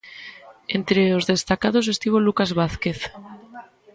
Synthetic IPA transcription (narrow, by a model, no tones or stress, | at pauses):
ent̪ɾeozðe̞st̪akað̞os̬est̪iβ̞olukazβaθke̞θ